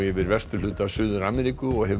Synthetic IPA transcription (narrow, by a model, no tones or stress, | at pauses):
jɛvɪɾvɛst̪ʏl̥ʏːt̪asʏːðʏɾaːmɛɾikʏɔɣhɛ